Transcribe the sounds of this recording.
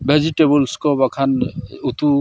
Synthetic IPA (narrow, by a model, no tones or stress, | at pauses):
bʱed͡ʒiʈebulskɔbakʰanut̪u